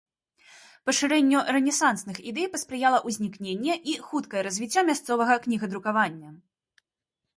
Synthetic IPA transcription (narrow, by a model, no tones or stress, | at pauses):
pɐʂɨɾɛnʲːurɛnʲɛsansnɨxid̪ɛjpɐspɾɨjalˠɐʔuzʲnʲiknʲenʲːɛʔixut̪kɐjɛɾɐzʲvʲit͡sʲːamʲast̪sɔvɐɣɐknʲiɣɐd̪ɾukavanʲːɐ